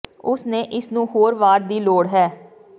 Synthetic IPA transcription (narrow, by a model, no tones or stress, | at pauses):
ʊsneːʔɪsnũːhoːɾʋaːɾd̪iːloːɽɦɛː